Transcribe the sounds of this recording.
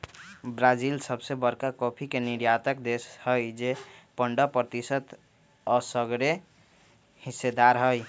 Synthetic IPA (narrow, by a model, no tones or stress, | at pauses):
bɾad͡ʒilsəbsebəɾkakopʰikeniɾjat̪əkd̪eshəjd͡ʒepəɳɖəpɾət̪isət̪ | ɔsəɡɾe | hisːed̪aɾɦəj